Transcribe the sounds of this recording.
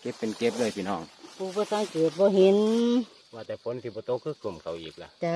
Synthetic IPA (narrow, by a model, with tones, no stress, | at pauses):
ke˧˦˥pːe˨nke˧˦p̚dɤː˧˩jpʰiː˧˨nɔː˧˩ŋpʰuː˧˩bɔː˧sa˧˥˨ŋkeː˨˩t̪̚bɔː˧˨ɦe˧˦n | waː˧˩t̪ɛː˨˩fʰo˨˧˦nt̪ʰiː˧bɔː˧˦t̪o˧˥kʰːɯː˧˩˨kɯ˨˧˩mkʰa˨˩wʔiː˨˩k̚la˧ʔt͡ɕa˧